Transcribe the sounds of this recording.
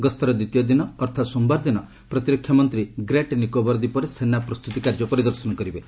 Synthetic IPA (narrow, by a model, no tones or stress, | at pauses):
ɡɔst̪ʰɔɾɔd̪it̪ijɔd̪inɔːɾt̪ʰat̪sumbaɾd̪inɔ | pɾɔt̪iɾɔkʰːjamɔnt̪ɾiɡɾeʈnikobɔɾd̪ipɔɾesenːapɾɔst̪ut̪ikaɾd͡ʒɔpɔɾid̪ɔɾsɔnɔkɔɾibe